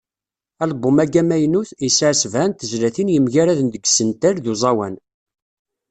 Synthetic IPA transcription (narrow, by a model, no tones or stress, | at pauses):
ælbːʊmæɡæmæjnuθisəʕsvænt̪əzlæθinjəmʝæɾæðənd̪əɡsənt̪æɾðuzˤɑwæn